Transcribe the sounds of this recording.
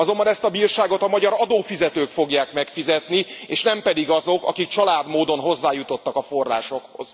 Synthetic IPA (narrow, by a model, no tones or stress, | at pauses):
ɒzo̞mbɒnɛst̪ɒbiːrʃaːɡo̞t̪ɒmɒɟɒɾɒd̪oːfizɛt̪øːkfo̞ɡjaːkmɛkfizɛt̪nieːʃnɛmpɛd̪iɡɒzo̞kɒ̰kikt͡ʃɒlaːd̪moːd̪o̞nɦo̞zːaːjut̪o̞t̪ːɒkɒfo̞ra̰ːʃo̞kho̞̰z̥